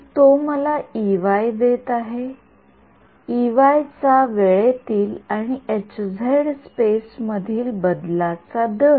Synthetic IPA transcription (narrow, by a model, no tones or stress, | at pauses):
t̪oməlaiʋajd̪et̪aɦe | iʋajt͡saʋeɭet̪iːlaɽ̃iet͡ɕd͡zʱaɽspesməd̪ʱiːlbəd̪lat͡sad̪ə